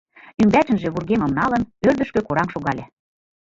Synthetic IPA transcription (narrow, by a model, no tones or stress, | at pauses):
ymbæt̪ə̆nʒĕβurɣemə̆mnɑlənørd̪ə̆ʃkøkoɾɑmʃoɣɑlʲe